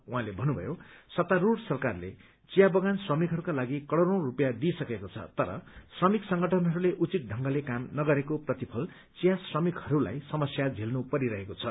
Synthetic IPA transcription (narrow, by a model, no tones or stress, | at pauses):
ũɦãlebʱʌnubʱʌ̰josʌt̪aɾuɽsʌrkarlḛ | t͡sijabʌɡansrʌmikɦʌɾukalaɡikʌɽʌɾõw̃rupjad̪isʌkekot͡sʰʌ̰t̪ʌɾʌ̰srʌmiksʌŋɡʱʌʈʰʌnɦʌɾuleʔut͡sit̪̚ɖʱʌŋɡʌlekamnʌɡʌɾekoprʌt̪ipʰʌl | t͡sijasrʌmikhʌɾula̰jsʌmʌsjad͡zʱelnupʌɾiɾʌɦekot͡sʰʌ̰